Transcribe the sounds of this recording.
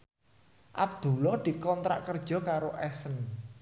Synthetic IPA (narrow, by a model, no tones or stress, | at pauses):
ʔa̰b̚d̪̥ṳlɔd̪̥i̤kɔnt̪ɾa̰ʔkərd̥ʒ̥ɔ̤kaɾoʔɛsən